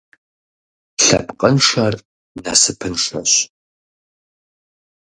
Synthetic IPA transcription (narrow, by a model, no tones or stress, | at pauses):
ɬɐ̰pqʼənʂɐr | nasɨpʰɨnʂɐ̰ɕ